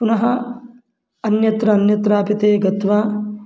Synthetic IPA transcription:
punɐɦɐ | ɐnjɐt̪ɾɐːnjɐt̪ɾaːpit̪eːɡɐt̪ʋaː

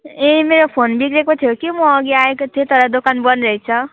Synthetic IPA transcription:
emeɾopʰonbikɾekot̪ʰijokimʌːɡiaekot̪ʰiet̪ʌɾʌd̪okanbʌnɾʌit͡sʰʌ

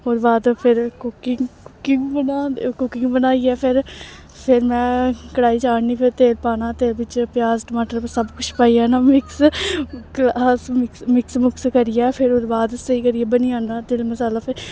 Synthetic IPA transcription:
ɦoːɾbaːd̪pʰɪɾkʊkɪŋkʊkɪŋɡbənaːkʊkɪŋɡbənaːiːɛːpʰɪɾ | pʰɪɾmɛ̃ːkəɽaːiːt͡ʃaːɽniːpʰɪɾt̪eːlpaːnãːt̪eːɾbɪt͡ʃpɪjaːzʈəmaːʈəɾəsəbkʊt͡ʃʰpaːiːɛːnaːmɪks | klaːsmɪkmɪksmʊkskəɾɪjɛːpʰɪɾoːɾbaːd̪səiːkəɾɪjɛːbəniːãːnd̪aːt̪eːlməsaːlaːpʰɪɾ

